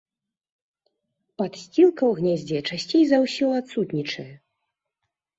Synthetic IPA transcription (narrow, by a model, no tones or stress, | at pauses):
pat̪sʲt͡sʲilˠkɐwɣnʲɛzʲd͡zʲɛt͡ʂasʲt͡sʲejzawsʲɔlˠat̪sut̪nʲit͡ʂɐjɛ